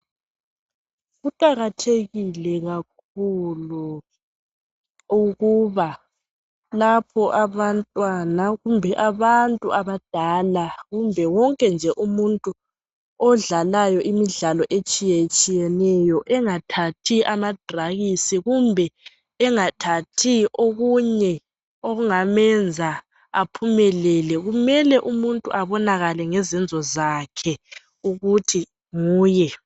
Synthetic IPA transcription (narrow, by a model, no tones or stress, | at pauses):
ɣuǃʼaɣatʰeɣilɛɣak̚ʰ | ulu | uɣuβa | lapʰɔʔaβantʼwanaɣumbʱɛʔaβantʼuʔaβad̥ʱalaɣumbʱɛwɔŋkʼɛnd͡ʒʱɛʔumuntʼu | ɔɮalajɔʔimiɮalɔʔet͡ʃʼijɛet͡ʃʼijɛnɛjɔʔɛŋatʰatʰiʔamad̥ʱraɣisiɣumbʱɛ | ɛŋatʰatʰiʔoɣuɲɛ | oɣuŋamɛnd͡zʱa | apʰumɛlɛlɛɣumɛlɛʔumuntʼṵʔaβɔnaɣalɛŋɛzɛnd͡zʱɔzaːkʰɛ | uɣutʰi | ŋuːjɛ